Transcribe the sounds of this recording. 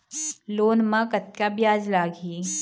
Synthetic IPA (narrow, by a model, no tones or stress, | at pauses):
loːnmãkɐt̪kabjaːd͡ʒlaːɡiː